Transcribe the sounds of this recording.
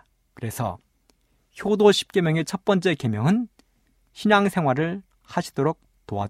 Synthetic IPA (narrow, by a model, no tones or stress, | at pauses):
kɯɾe̞sʰʌ̰ | çjodoɕʰi̥p̚k͈emjʌŋe̞t͡ɕʰʌt̚p͈ʌnt͡ɕ͈e̞ke̞mjʌŋɯn | ɕʰiɲaŋsʰe̞ŋɦwaɾɯɭ | haɕʰi̥d̥oɾok̚ | toa